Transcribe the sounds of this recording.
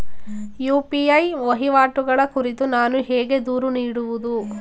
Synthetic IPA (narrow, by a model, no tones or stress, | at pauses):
juːpiɐjʋɐɦiʋaːʈuɡɐɭɐkuɾit̪unaːnuɦɛːɡe̞d̪uːɾuniːɽuʋud̪u